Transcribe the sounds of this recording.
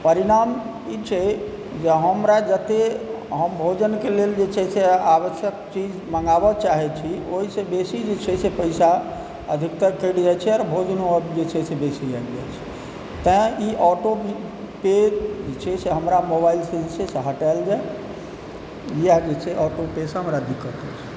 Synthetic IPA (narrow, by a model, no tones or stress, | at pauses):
pəɾiɽ̃am | it͡ʃʰɛ | d͡ʒeɦəmɾad͡ʒət̪eɦəmbʱod͡ʒənkeleld͡ʒet͡ʃʰɛseaʋəsjək̚t͡ʃid͡ʒməŋɡabət͡ʃaɦɛt͡ʃʰioɦisẽbesid͡ʒet͡ʃʰɛsepəɪsa | əd̪ʱik̚t̪əɡkːəɽd͡ʒajt͡ʃʰɛɔɾbʱod͡ʒənoəbd͡ʒet͡ʃʰɛsebesid͡ʒaɡd͡ʒa̰jt͡ʃʰɛ̥ | t̪ə̃iʔɔʈo | ped͡ʒet͡ʃʰɛseɦəmɾamobailsed͡ʒet͡ʃʰɛseɦəʈaeld͡ʒae | jəɦd͡ʒet͡ʃʰɛʔɔʈopesɦəmɾad̪ikːət̪ɛt͡ʃʰi̥